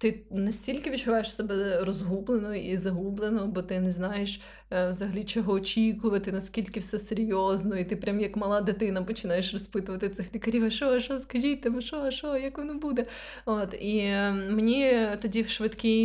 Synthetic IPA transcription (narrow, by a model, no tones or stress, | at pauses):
t̪ɪnɐsʲtʲilʲkɪʋʲit͡ʃʊʋɑjeʃsɛbɛrɔzɦublˠenɔizɐɦublˠenɔɔbɔt̪ɪnɛznɑjeʃ | wzɐɦɐlʲit͡ʃɔɦɔːt͡ʃʲikʊʋɐt̪ɪnɐsʲkʲilʲkɪwsɛseɾʲjɔznɔit̪ɪpɾʲamjɐkmɐlˠɑd̪ɪt̪ɪnɐpɔt͡ʃɪnɑjeʃrɔspɪt̪ʊʋɐt̪ɪt̪sɪxlʲikɐɾʲiʋɐʃɔʃɔskɐʒʲit̪ɐmʊʃɔʃɔjɐkʋɔnɔbud̪ɛ | ot̪imenʲit̪ɔdʲiwʃʋɪt̪kʲi